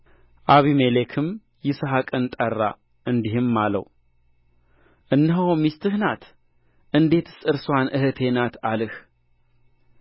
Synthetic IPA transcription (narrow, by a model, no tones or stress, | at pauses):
ʔaβimelekʰɨm | jɪsɦakʼɨnt̪ʼərːa̰ | ʔɨnd̪ihɨmːalə̰w | ʔɨnːɨɦoomist̪ʰɨhnat̪ | ʔɨnd̪e̞t̪ɨsɨɾswanʔɨhɨt̪ʰe̞nat̪ʰalɨh